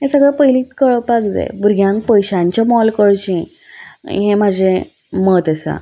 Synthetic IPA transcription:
ɦẽsəɡɭapəjliːt̪kəɭəpakd͡za̰jbuɾɡʱjãŋk̚pəjɕãɲt͡ɕamɔlkəɭt͡ɕĩ | ɦẽmad͡ʑʱe | mət̪əsa̰

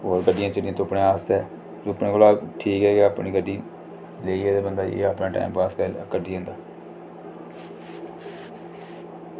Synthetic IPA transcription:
ɦoːɾɡəɖːɪjãːt͡ʃəɽɪjãːt̪oːpɳeːaːst̪ɛː | d͡ʒʊəpnẽːkʊlaːʈʰiːkɦɛːɡaːəpɳiːɡəɖːiː | leːiɛːeːbənd̪aːḛːapnãːʈa̰ːɪmpaːskɛləkəɖʱiːõnd̪aː

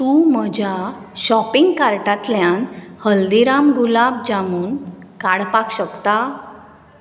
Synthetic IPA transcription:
t̪uməd͡ʑʱja | ɕɔpiŋɡkaɾʈat̪ljãnhəld̪iɾamɡulabd͡ʑamuːnkaɽpakɕəkt̪a

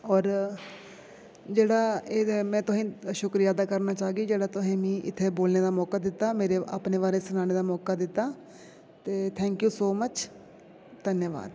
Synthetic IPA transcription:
ɔːɾ | d͡ʒeːɽaːeːmɛ̃ːt̪ʊsẽːʃʊkɾijaːd̪aːkəɾnaːt͡ʃaːɡiːd͡ʒeːɽaːt̪ʊsẽːmĩːʔɪ̰t̪ʰːeːboːlneːd̪aːmɔːkaːd̪ɪt̪ːaːmeːɾea̰ːpneːʋaːɾeːsʊnaːneːd̪aːmɔːkaːd̪ɪt̪ːaː | t̪eːt̪ʰɛ̃ːŋkjuːsoːmət͡ʃ | d̪ənjəʋa̰ːd̪

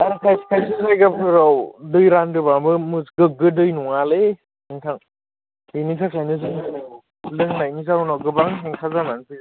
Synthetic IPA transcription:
aɾkʰajskʰajsɯzajɡapʰɯɾawdɯjɾandɯbabɯmɯsɡɯɡɯdɯjnuŋale | ɯŋtʰaŋ | initʰakʰajnɯzɯŋnana | lɯŋnajnizaunawɡɯbaŋsʰeŋkʰazamansʰi

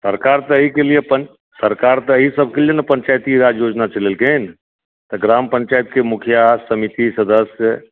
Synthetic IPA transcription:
səɾkaɾt̪əːɦikelijepə | səɾkaɾt̪əːɦisəb̚ʱkelijenəpəɲt͡ʃajt̪iɾad͡ʒjod͡ʒnat͡ʃɐlelken | t̪əɡɾampə̃ɲt͡ʃajt̪kemukʰijasəmit̪isəd̪əsjə

